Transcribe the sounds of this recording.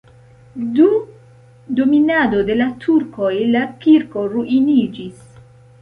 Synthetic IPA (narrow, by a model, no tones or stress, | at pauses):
du | dominado̞de̞latʰuɾko̞jlakiɾko̞ɾuʔinid͡ʒis